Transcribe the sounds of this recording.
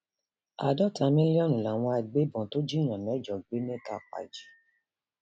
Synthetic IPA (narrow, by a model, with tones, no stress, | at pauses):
a̰˨dɔ˦˨ta˨˧mĩ˦li˦ɔ˦nũ˨la˨w̃ɔ̃˧a˧˨ɡ͡be˨˦bɔ̃˨to˦d͡ʒi˦˨j̃ã˨mɛ̃˨˦d͡ʒɔ˨ɡ͡be˨˦nĩ˦ta˦˨k͡pa̰˨d͡ʒi˨˦